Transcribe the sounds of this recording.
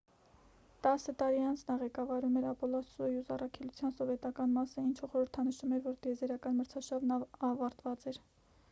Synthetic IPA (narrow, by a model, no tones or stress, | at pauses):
t̪ɑsət̪ɑɾiɑnt͡sʰnɑʁɛkɑvɑɾumɛɾɑpɔlɔsɔjuzɑrɑkʰɛlut͡sʰjɑnsɔvɛt̪ɑkɑnmɑsəint͡ʃʰəχɔɾəɾt̪ʰɑnəʃumɛɾvɔɾd̪ɛzɛɾɑkɑnməɾt͡sʰɑʃɑvnɑvɑɾt̪vɑt͡sɛɾ